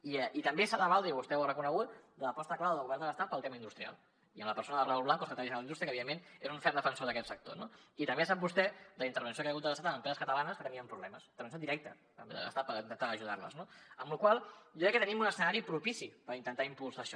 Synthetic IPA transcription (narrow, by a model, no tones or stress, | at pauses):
iəit̪əmbesaðəβald̪ɾiβust̪ɛwrəkunəɣut̪̚d̪ələpɔst̪əklawðəlɣuβɛɾnd̪ələst̪at̪̚pəlˠt̪emɐind̪ust̪ɾia̰lˠ | iəmləpəɾsonəðərauβlaŋkoskət̪əlisðlind̪ust̪ɾiəkəβiðemːeneɾuɱfɛɾd̪əfənsoðəkɛt̪sək̚t̪o̰noit̪əmbesap̚bust̪ɛd̪əlint̪əɾβənsiokajəɣut̪ələst̪at̪əməmpɾɛzəskət̪əlanəskət̪əniəmpɾuβlɛməsint̪əɾβəns̬od̪iɾɛk̚t̪ə | t̪əmbḛðə̰lə̰stat̪pəɾint̪ənt̪aːʒuð̞a̰ɾlə̰znoəmlukwalˠʒokɾɛkːət̪ənimunəsənaɾipɾupisipəɾint̪ənt̪aimpulˠsaʃɔ